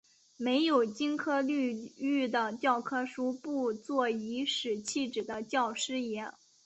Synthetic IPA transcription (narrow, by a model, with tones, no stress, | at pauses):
me˧˥ɪjo˨˩ʊt͡ɕi˥nkʰɤ˥ly˥˧y˥˩d̪ə˩t͡ɕjɑ˥˩ʊkʰɤ˥ʂu˥pu˥˧t͡swɔ˥˩i˧˥ʂɻ̩˨˩t͡ɕʰi˥˩ʈ͡ʂɻ̩˨˩d̪ə˦t͡ɕjɑ˥˩ʊʂɻ̩˥jɛ˧˥n